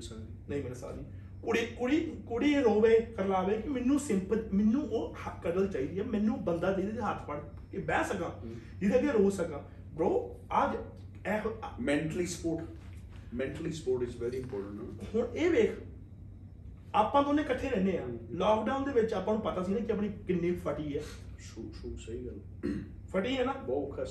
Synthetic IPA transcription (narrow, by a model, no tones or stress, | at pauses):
nəĩːmɛːnasa̰ːɾi | kʊɽiːkʊɽiːkoɽiːeːɾoːʋeːkəɾlaːʋeːkɪmɪnːũːsɪ̃mpəmɪnːũːʔoːəkəɾəlt͡ʃaːiːd̪iːaːmɛ̃ːnːũːbənd̪aːdeːd̪eːd̪eɦət̪ʰpəɽ | kebɛːsəkaːd͡ʒɪd̪ʰeɡeɾoːsəkãː | bɾoː | əd͡ʒ | ɛːmɛ̃ːɳʈəliːspoːɾʈ | mɛ̃ːʈliːspoːɾʈɪzʋɛːɾiːɪmpɔːɾʈə̃ɳʈaːhʊneːʋeːkʰ | aːpãːt̪õːnẽːkəʈʰːeːɾɛ̃ːneːãːlɔːkɖaːʊnd̪eːʋɪt͡ʃaːpːãːnũːpət̪aːsiːnãːkɪəp̬niːkɪnːeːpʰəʈiːɛːuʃusəɦiːɡəl | pʰəʈiːɦɛːnãːbɔːt̪kʰəs